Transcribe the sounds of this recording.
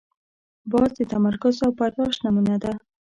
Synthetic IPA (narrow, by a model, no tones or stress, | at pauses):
bɑzd̪ət̪amaɾkʊzawpaɾd̪ɑʃnamunad̪a